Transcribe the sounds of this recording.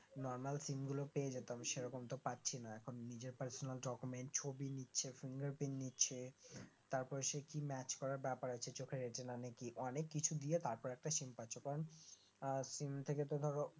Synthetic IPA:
nɔɾmalsimɡulopeed͡ʑet̪amʃeɾɔkomt̪opatːɕʰinaɛkʰonːid͡ʑeɾpaɾsonalɖɔkumeɳʈ̚t͡ɕʰobinitːɕʰefiŋɡaɾpenːitːɕʰet̪aɾpɔɾeʃekimɛt͡ɕkɔɾaɾbɛpaɾat͡ɕʰet͡ɕokʰeɾeʈenanekiʔɔnekːit͡ɕʰud̪iet̪aɾpɔɾɛk̚ʈaʃimpaːt͡ɕʰokaɾon | simt̪ʰeket̪od̪ʱɔɾo

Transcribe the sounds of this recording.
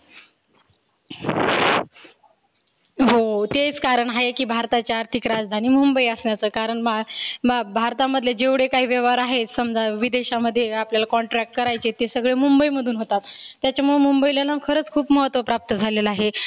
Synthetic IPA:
ɦot̪et͡skaɾəɳɦaekiːbʱaɾt̪at͡ɕjaaɾt̪ʰikɾad͡zd̪ʱaniːmumbəiəsɳjat͡səːkaɾəɳmababʱaɾt̪aməd̪ʱjed͡ʑeʋɽekaɦiːʋjeʋaɾaɦesəmd͡zaʋid̪eɕaməd̪ʱːjeapljalakɔɳʈɾæk̚ʈ̚kəɾajt͡set̪esəɡɭemumbəiməd̪ʱuːnɦot̪at̪ːjat͡ɕjamuɭemumbəiljalakʰəɾəːt͡skʰuːpməɦət̪ʋəpɾap̚t̪əd͡zʱaleləaɦe

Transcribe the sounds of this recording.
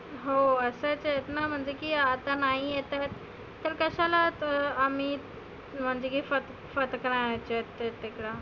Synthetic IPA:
ɦoəsət͡sjet̪nam̤əɳd͡zekiːat̪anaɦijet̪ajt̪ː | əɾkəɕalat̪ːm̤iː | m̤əɳd͡zekiːfət̪ | fət̪kɾãt͡ɕet̪t̪ːekɽa

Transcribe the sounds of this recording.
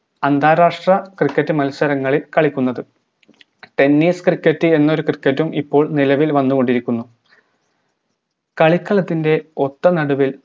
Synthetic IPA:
ɐnd̪ʱaːɾaːʂʈrɐkrikːɐtːɨmɐlsɐɾɐŋːɐɭilkɐɭikʲːunːɐðɨ | ʈe̞nːiːskrikːɐtːɨe̞nːɐo̞ɾukrikːɐtːumipːo̞ːɭnilɐʋilʋɐnːuɣo̞ɳɖiɾikʲːunːu | kɐɭikːɐɭɐt̪ːinde̞o̞t̪ːɐnɐɽuʋil

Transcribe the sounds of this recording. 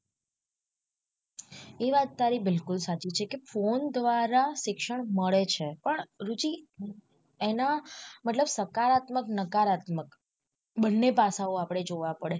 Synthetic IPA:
eʋat̪ːaɾibɪlkʊlsat͡ʃit͡ʃʰekefond̪ʋaɾaʃɪkʃəɳməɭet͡ʃʰepəɳɾut͡ʃi | enamət̪ləbsəkaɾat̪məknəkaɾat̪mək | ɓənːepasaoapɽ̃ed͡ʒoʋapəɽe

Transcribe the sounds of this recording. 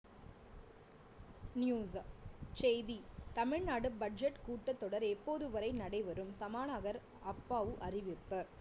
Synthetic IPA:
nɪjuːst͡ʃejðit̪ɐmɪɻnaːɽɯbɐɖ̚d͡ʒɐʈkuːʈːɐt̪ːɔɽɐɾɛpːoːðɯʋɐɾɐɪnɐɽɐɪʋɐɾɯmsɐmaːnaːɣɐɾ | ɐpːaːʋɯʔɐrɪʋɪpːɐ

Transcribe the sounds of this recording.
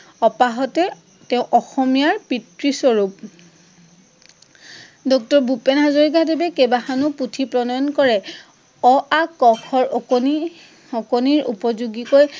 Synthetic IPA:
ɔpaɦɔtɛ | tɛʊ̃ʔɔxɔmijaɹpitɹisɔɹup̚ | dɔk̚tɔɹbupɛnɦazoɹik̬adebɛkebaxanuputʰipɹɔnɔjɔnkɔɹɛ | ɔʔakɔkʰɔɹɔni | ɔkoniɹṵpɔzuɡikoj

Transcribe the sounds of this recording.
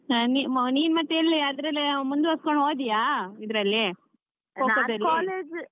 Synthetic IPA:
niniːnmɐt̪ːeelːiɐd̪ɾɐlemund̪uɐskoɳɦoːd̪ijaid̪ɾɐlːi | oːkod̪ɐlkiaːleːd͡ʒ

